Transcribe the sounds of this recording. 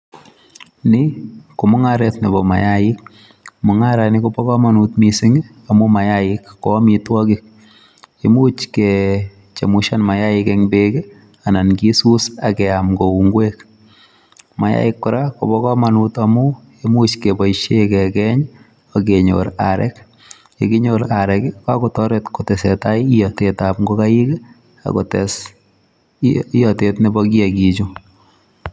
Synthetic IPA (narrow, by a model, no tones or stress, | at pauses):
nɪkomʊŋaɾɛt̪nebɔma̰jaɪk̚ | mʊŋaɾanikopɔkamanut̪misɪŋ | amʊmajaɪkːɔmitwɔkɪk̚ | emut͡ʃke | t͡ʃemuʃanmajaɪkɛŋbeke | anankisusakɛamɡouŋɡwek | maja̰ɪkːʊɾakobɔkɔmanutamʊ | emut͡ʃkebɔiʃekɛkɛɲ | ɔkeɲo̰ɾa̰ɾɛ̰k | ekiɲoɾaɾɛkɪkakɔtɔɾetkʊtɛsɛtaiijɔtetap̚ŋɡokajike | a̰kɔ̰tɛs | ijɔtetnɪbɔk̬iakit͡ʃu